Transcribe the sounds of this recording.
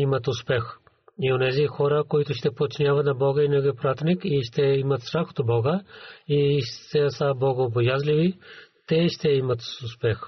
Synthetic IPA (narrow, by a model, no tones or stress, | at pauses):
imət̪ʊspɛx | ionɛzixɔɾəkoit̪ʊʃt̪ɛpot̪t͡ʃinʲjavɐt̪nɐbɔɡəinɛɡɛpɾat̪nikiʃt̪ɛimət̪st̪ɾaxo̥t̪obɔɡəiʃt̪ɛsabɔɡəːbojazlivit̪ɛʃt̪ɛimət̪ʊspɛx